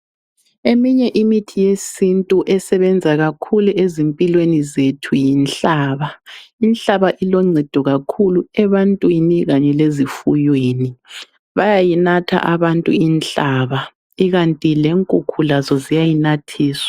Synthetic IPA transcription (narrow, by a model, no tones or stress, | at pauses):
emiɲɛʔimitʰijesintʼuʔɛsɛβɛnd͡zʱaɣakʰuluʔezimpʼilwenizetʰujinɬaːβainɬaβaʔilɔŋ͡ǀʱɛd̥ʱɔɣakʰuluɛβantʼwiniɣaɲɛlezifujweːni | βajajinatʰa̰ʔaβantʼṵinɬaːβa | iɣantʼileŋkʼukʰulazɔzijajinatʰiːswḁ